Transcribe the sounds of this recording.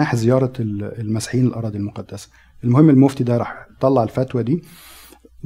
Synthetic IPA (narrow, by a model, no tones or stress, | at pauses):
aːħzɪjɑːɾˤɑlmæsḁħiːnelʔɑ̰ɾˤɑːd̪ˤilmoqɑd̪ːæsæ̥ | ʔelmʊhemːelmoft̪id̪æɾˤɑːħt̪ːˤɑlːɑʕelfæt̪wæd̪iː